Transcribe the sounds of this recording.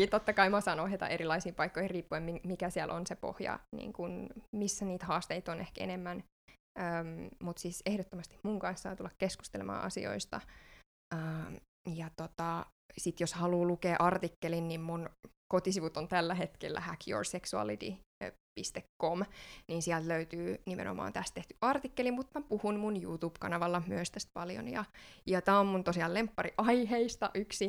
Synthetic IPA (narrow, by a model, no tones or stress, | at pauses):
it̪ot̪ːɑkɑimɑsɑːnohjɑt̪ɑ̰ʔeɾilɑisiːmpɑikːoihiriːpːuemimikæsiælʔonsepo̰hjɑ̰nḭːŋkunmisːæniːt̪hɑːst̪eit̪onehkḛnemːæn | əːmmut̪sisehdot̪ːomɑst̪i̥mmuŋkɑnssɑːt̪ulːɑkkesku̥st̪elḛmɑ̰ːɑ̰sḭo̰ist̪ɑ̰ | ʔəː | jɑt̪ot̪ɑ | sit̪joshɑluːlukeːʔɑrt̪ikːelinnimmunkot̪isiʋut̪ont̪ælːæhet̪kḛlːæ̰hækʰjo̰rseksuɑ̰lit̪ḭpist̪ekkomniːnsiælt̪løyt̪yːnimḛnʔo̰mɑ̰ːnt̪æst̪t̪eht̪y̥ʔɑrt̪ikːelimmut̪mæpuhunmunjṵt̪uːb̥kɑ̰nɑʋɑlːɑmyøst̪æst̪̚pɑljo̰njɑ̰jɑt̪æːommunt̪osiɑlempːɑɾiʔɑiheist̪ɑ̰ʔyksi